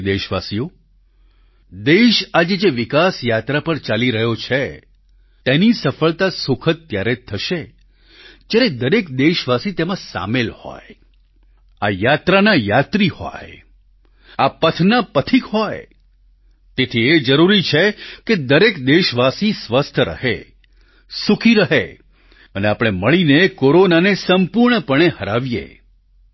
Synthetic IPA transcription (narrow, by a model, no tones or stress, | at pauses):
d̪eʃʋasijo | d̪eʃad͡ʒed͡ʒeʋɪkasjat̪ɾapəɾt͡ʃaliɾəɦjot͡ʃʰe | t̪enisəfəɭt̪asʊkʰət̪ːjaɾet̪ʰəʃe | d͡ʒaɾed̪əɾekd̪eʃʋasit̪emãsa̰melhɔ̰j | a̰jat̪ɾanajat̪ɾihɔ̰j | apət̪ʰnapət̪ʰikɦɔj | t̪et̪ʰied͡ʒəɾuɾit͡ʃʰeked̪əɾekd̪eʃʋasisʋəst̪ʰɾə̰ɦḛ | sukʰiɾəɦḛ | əneapəɽ̃eməɭinekoɾonanesəmpuɾɳəpəɳ̃ehəɾaʋjḛ